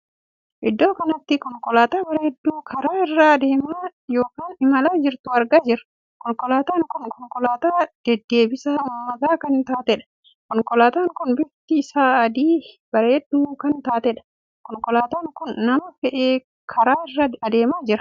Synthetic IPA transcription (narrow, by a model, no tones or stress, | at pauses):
ʔɪd̪ːo̞ːkɐnɐt̪ːɪkɔŋkɔlaːt̪aːbɐɾɛhɛd̪ːuːkʰɐɾaːɪrːaɐd̪e̞ːmaːjo̞ːkaːnɪmɐlaːd͡ʒɪɾt̪ʊɐɾɡaːd͡ʒɪɾɐ̥ | kɔŋkɔlaːt̪aːŋkʊnkɔŋkɔlaːt̪aːd̪̥ɛd̪ːe̞ːbɪsaːʊmːɐt̪aːkɐnt̪aːt̪ɛᶑɐ̥ | kɔŋkɔlaːt̪aːŋkʊnbɪt̪ːɪːsaːɐd̪iː | b̥ɐɾɛɛd̪ːuːkɐnt̪aːt̪ɛᶑɐ̥ | kɔŋkɔlaːt̪aːŋkʊnːɐmɐfɛʔeː | kʰɐɾaːrːɐɐd̪e̞ːmaːd͡ʒɪɾɐ̥